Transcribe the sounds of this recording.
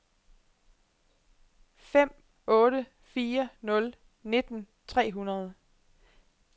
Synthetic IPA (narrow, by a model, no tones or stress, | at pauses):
fem̰ | ɔ̽ːɾə | fiːɐnɔ̽l | ne̝d̥n̩ | t͡sʰʁɛ̰ːɦunɐð̞ˠə